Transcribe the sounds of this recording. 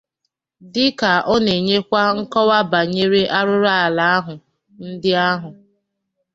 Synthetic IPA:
dɪ˦ka˨ʔɔ˦ne˨ɲe˦kʷa˦ŋ̩˦kɔ˦wa˦ba˨ɲe˦ɾe˦ʔa˦ɾʊ˦ɾa˦a˨la˨a˦ɦʊ˨ | n̩˦dɪ˦a˦ɦʊ˨

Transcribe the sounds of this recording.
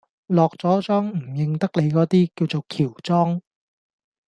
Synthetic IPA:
lɔː˨k̚t͡sɔː˨˥t͡sœː˥ŋm̩˨˩jɪ˨˧ŋt̪ɐ˥k̚le˨˧jkɔː˨˥t̪iː˥kiː˧wt͡so˨wkʰiː˨˩wt͡sɔː˥ŋ

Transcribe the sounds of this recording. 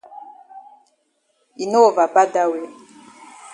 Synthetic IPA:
i˨no˦˨va˨ba˦da˦we˨

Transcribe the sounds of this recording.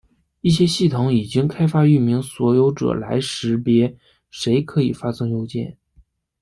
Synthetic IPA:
i˥˩ɕjɛ˥ɕi˥˩t̪ʰʊ˧˥ŋi˨˩t͡ɕi˥ŋkʰa˥ɪfa˥y˥˩mi˧˥ŋswɔ˧˥jo˧˥ʊʈ͡ʂɤ̰˨˩la̰˧˥ɪʂɻ̩˧˥pjɛ˧˥ | ʂe˧˥ɪkʰɤ˧˥i˨˩fa˥sɤ˥ŋjo˥ʊt͡ɕjɛ̰˥˩n

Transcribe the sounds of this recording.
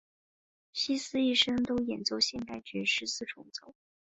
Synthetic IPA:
ɕi˥sɹ̩˥i˥˩ʂɤ˥ŋt̪o˥ʊjɛ̰˨˩nt͡so˥˧ʊɕjɛ˥˧nt̪a˥˩ɪt͡ɕɛ˧˥ʂɻ̩˧˥sɹ̩˥˩ʈ͡ʂʰʊ˧˥ŋt͡so˨˩ʊ

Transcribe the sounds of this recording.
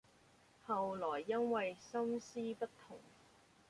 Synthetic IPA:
hɐ˨wlɔː˨˩jːɐ˥nwɐ˨jsɐ˥msiː˥pɐ˥tt̪ʰːʊ˨˩ŋ

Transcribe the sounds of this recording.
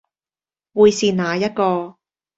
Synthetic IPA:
wuː˨˧jsiː˨naː˨˧jɐ˥t̚kɔː˧

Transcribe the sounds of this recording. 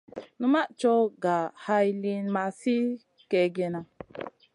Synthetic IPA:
nu˦ma˦ʔt͡ʃɔ˦ɡa˨ha˧jli˧nma˧si˦ | kɛ˧ɡɛ˧na˧

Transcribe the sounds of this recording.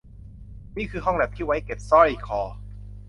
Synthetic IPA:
niː˥˩kʰɯː˧ɦɔ˥˩ŋbɛː˨˩p̚t̪ʰiː˥˩wa˦˥jke˨˩p̚sɔ˥˩ji˩kʰɔː˧

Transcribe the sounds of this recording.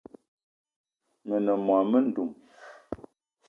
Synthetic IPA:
mə˨nə˨mwa˨mə˦n̩˦du˨m

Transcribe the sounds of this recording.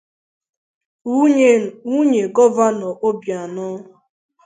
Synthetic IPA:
u˦ɲe˨ɡɔ˦va˦nɔ˨ʔo˦bja˨nʊ˦

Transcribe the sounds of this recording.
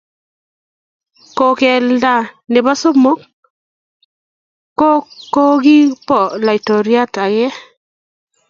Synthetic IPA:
ko˨kɛ˨lda˨ne˨βa˦so˦mo˦k | o˦o˦ɣi˦pɔ˨la˨i˨to˨ɾja˦ta˨ɣɛ˦

